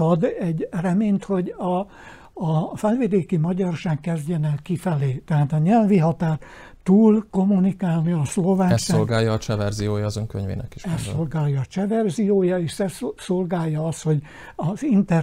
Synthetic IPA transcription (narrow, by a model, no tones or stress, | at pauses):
ɒd̪ɛɟrɛmeːnt̪ho̞ɟɒː | fɛlved̪eːkimɒɟɒrʃaːkːɛzɟɛnɛlkifɛleːt̪ɛɦaːt̪ɒɲɛlviɦɒt̪aːr | t̪uːlko̞munikaːlniɒslo̞vaːɛolɡaːjɒːt͡ʃɛvɛrzijoːjɒːzøŋkø̰ɲvḛːnɛ̰ki̥ʃɛsːo̞lɡaːjːɒːt͡ʃɛvɛrzijoːjɒeːʃsɛssolɡaːjːɒɒst̪ho̞ɟ | ɒzint̪ɛ